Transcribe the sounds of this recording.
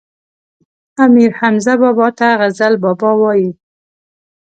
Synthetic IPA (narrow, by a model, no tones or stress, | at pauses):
amiɾhamzabɑbɑt̪aɣazalbɑbɑwɑji